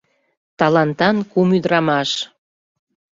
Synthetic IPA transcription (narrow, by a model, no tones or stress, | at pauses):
t̪ɑlɑnt̪ɑnkumyd̪ɾɑmɑʃ